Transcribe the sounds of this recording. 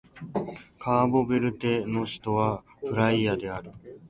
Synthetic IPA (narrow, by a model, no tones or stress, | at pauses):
kʰaːbo̞beɾɯ̟t̪e̞no̞ɕi̥t̪o̞βa | ɸɯ̟ɾaiad̪e̞aɾɯ̟